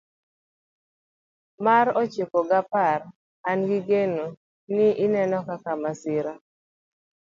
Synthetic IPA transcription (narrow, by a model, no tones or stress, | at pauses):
maɾɔt͡ʃekoɡapar | anɡiɡeno | nɪʔɪnɛnɔkakamasɪɾa